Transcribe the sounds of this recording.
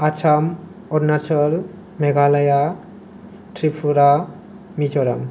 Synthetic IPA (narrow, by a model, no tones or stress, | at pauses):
at͡ʃʰam | ɔɾnat͡ʃʰɔl | meɡalaja | ʈɾipʰuɾa | mid͡ʑɔɾam